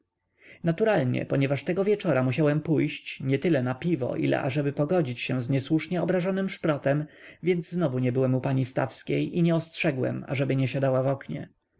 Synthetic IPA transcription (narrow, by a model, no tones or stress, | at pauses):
nat̪uɾalɲɛ̰pɔɲɛvaʂt̪ɛɡɔvʲjɛt͡ʂɔɾamuɕawɛmpujɕt͡ɕɲɛt̪ɘlɛnapʲivɔ̰ʔḭlɛ̰ʔa̰ʐɛbɘpɔɡɔd͡ʑit͡ɕɕɛ̃zɲɛswuʂɲɛɔbɾaʐɔnɘmʂpɾɔt̪ɛmvʲjɛnd̪zznɔvuɲɛbɘwɛmupaɲist̪a̰fskʲejʔiɲɛɔstʂɛɡwɛ̰ma̰ʐɛbɘɲɛɕad̪awavɔkɲɛ̰